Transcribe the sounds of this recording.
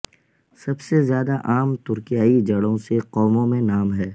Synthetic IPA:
sɐbsezjaːd̪aʔaːmt̪ʊɾkijaːid͡ʒɐɽõseqɔːmõmẽnaːmɦɛː

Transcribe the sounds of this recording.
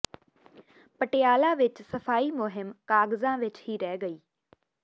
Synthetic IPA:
pəʈɪjaːlãːʋɪt͡ʃsəpʰaːiːmʊɦɪmkaːɡzãːʋɪt͡ʃɦiːɾɛːɡəiː

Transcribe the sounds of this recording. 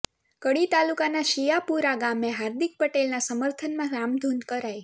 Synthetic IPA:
kəɽit̪alukanaʃijapuɾaɡameɦaɾd̪ik̚pəʈelnasəməɾt̪ʰənmãɾamd̪ʱunkəɾaj

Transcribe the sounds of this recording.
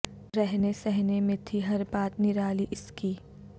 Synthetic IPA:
ɾɛɦnesɛɦnemẽt̪ʰiɦɐɾbaːt̪nɪɾaːliʔɪskiː

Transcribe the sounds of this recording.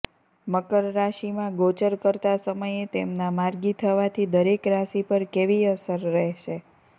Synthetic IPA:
məkəɾɾaʃimãɡot͡ʃəɾkəɾt̪asəməjet̪emnamaɾɡit̪ʰəʋat̪ʰid̪əɾekɾasipəɾkeʋiəsəɾːɛɦʃe

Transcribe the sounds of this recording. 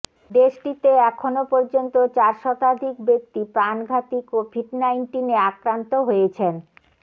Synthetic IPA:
d̪eʃʈit̪eɛkʰonopɔɾd͡ʑont̪ot͡ɕaɾʃɔt̪ad̪ʱik̚bek̚t̪ipɾanɡʱat̪ikobʱiɖnajnʈineakɾant̪oɦojet͡ɕʰen

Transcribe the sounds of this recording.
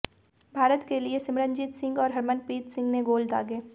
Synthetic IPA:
bʱaːɾət̪keliesɪmɾənd͡ʒit̪sɪ̃ŋɡɔːɾɦɐɾmənpiːt̪sɪ̃ŋɡneɡoːld̪a̰ːɡeː

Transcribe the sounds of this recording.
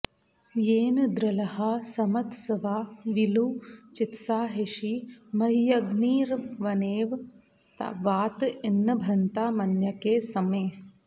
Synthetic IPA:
jeːnɐd̪ɾɐlɐhɐsɐmɐt̪sɐʋaːʋilut͡ʃit̪saːɦeʃimɐɦijɐɡniːɾʋɐneːʋ | t̪ɐ̰ʋaːt̪inːɐbʱɐnt̪aːmɐnjɐkeːsɐmeː

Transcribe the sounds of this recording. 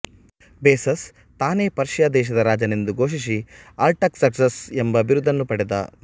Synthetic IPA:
beːsɐs | t̪aːne̞ːpɐɾʃjaːd̪ɛːʃ̬ɐd̪ɐɾaːd͡ʒɐnind̪uɡo̞ːʃis̬iɐːlʈɐksɐksɐsembɐʋiɾud̪ʱːɐnːupɐɽɛd̪a̰ː

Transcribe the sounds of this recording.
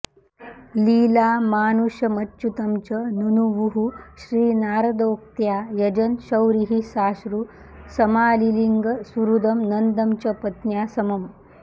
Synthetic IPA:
liːlaːmaːnuɕjɐmɐtːɕut̪ɐmt͡ɕɐnunuʋuɦuɕɾiːnaːɾɐd̪oːk̚t̪jajɐd͡ʑɐnɕɐwɾiɦisaːɕɾu | sɐmaːliliŋɡəsuɾud̪ɐmnɐnd̪ɐmt͡ɕɐpɐt̪njasɐmɐm

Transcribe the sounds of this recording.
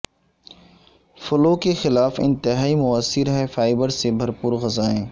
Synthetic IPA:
fʊloːkexɪlaːfɪ̰̃nt̪ɪɦaːimʊəsːɪɾɦɛfaːɪbəɾsebʱɐɾpuːɾɣɐzaːẽː

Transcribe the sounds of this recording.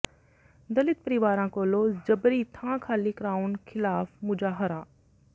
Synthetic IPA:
d̪ɐlɪt̪̚pɐɾɪʋaːɾãːkoːloːd͡ʒɐbɾit̪ʰãːkʰaːlikɾaːunkʰɪlaːfmʊd͡ʒaːɦɐɾaː

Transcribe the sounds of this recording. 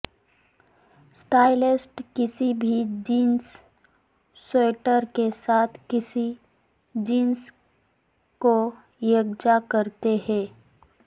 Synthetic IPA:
sʈaːɪlɪsʈkɪsibʱid͡ʒiːns | oːʈəɾkesaːt̪ʰkɪsi | d͡ʒiːns | ko | jəɡd͡ʒakəɾt̪eɦɛ̃ː

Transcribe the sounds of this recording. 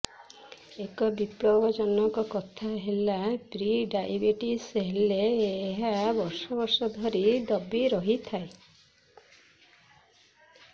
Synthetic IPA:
ekɔbipɾɔbɔd͡ʒɔnɔŋkɔkɔt̪ʰaɦelapɾiɖajbeʈiseɦeleːɦabɔɾsɔbɔɾsɔd̪ʱɔɾid̪ɔbiɾɔɦit̪ʰae

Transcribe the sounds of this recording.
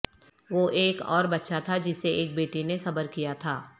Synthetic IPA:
ʋoʔeːkɔ̰ːɾbɐtːʃat̪ʰad͡ʒɪsːeʔeːk̚beːʈinesɐbəɾkijat̪ʰaː

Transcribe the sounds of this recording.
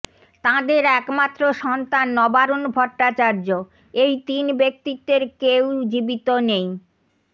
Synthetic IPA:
t̪ãd̪eɾɛkmat̪ːɾoʃɔnt̪anːɔbaɾonbʱɔʈːat͡ɕaɾd͡ʑo | ejt̪inbek̚t̪it̪ːeɾkewd͡ʑibit̪onej

